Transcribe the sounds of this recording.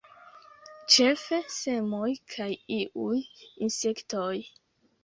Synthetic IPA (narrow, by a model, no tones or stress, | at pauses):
t͡ʃe̞fese̞mojkʰajiʔujinse̞ktoj